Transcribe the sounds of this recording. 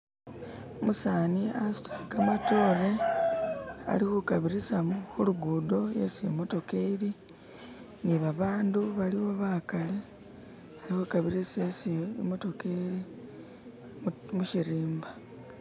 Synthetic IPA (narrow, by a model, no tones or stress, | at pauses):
musaːniastakamatoːɾe | a̰lihukaβiɾisamxuluɡudo̞jesimo̞to̞keɾi | niβaβaːnduβaliβo̞βaːkale | alixukaβiɾisesimo̞to̞keɾi | muʃiɾiːmba